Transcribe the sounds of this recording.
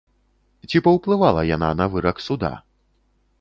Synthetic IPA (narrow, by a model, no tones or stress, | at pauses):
t͡sʲipɐwplˠɨvalˠɐjana̰nɐvɨɾɐksud̪a̰